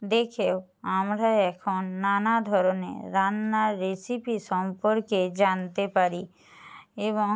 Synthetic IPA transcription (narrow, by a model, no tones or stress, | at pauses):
d̪ekʰew | amɾaɛkʰonːanad̪ʱɔɾonḛɾanːaːesipiʃɔmpoɾked͡ʑant̪epaɾi | eβoŋ